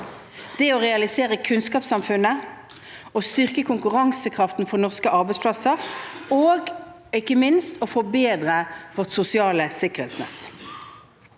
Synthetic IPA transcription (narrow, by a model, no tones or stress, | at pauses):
d̪̥ɛoʁɛɑlɪseːʁəkʰʉnskɑːpsɑmfʉnːə | ost̪ʏʁkəkʰʊŋkʉʁɑŋsəkʰʁɑft̪nfɔnɔʁskəʔɑʁbɛɪspʰlɑsəʁoːɡ | ɪkːəmɪnst̪ofɔbeːd̪ʁəʋɔt̪sʊsɪɑːləsɪkəʁhḛːt̪snɛ̰t̪